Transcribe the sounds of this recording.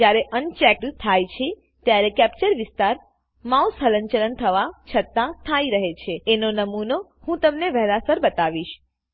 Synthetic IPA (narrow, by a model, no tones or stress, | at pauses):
d͡ʒjaɾeʔənt͡ʃɛkʈt̪ʰajt͡ʃʰe | t̪jaɾekɛp̚t͡ʃəɾʋɪst̪aɾ | mausələɲt͡ʃələnt̪ʰəʋat͡ʃʰət̪ãt̪ʰaiɾəɦet͡ʃʰeenonəmunohũt̪əmneʋəɦlasəɾbət̪aʋiʃ